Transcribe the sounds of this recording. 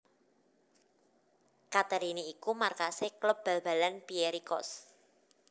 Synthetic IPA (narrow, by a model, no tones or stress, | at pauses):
kat̪eɾiniikumarkasekləb̥a̤lb̥a̤lanpieɾikɔ̰s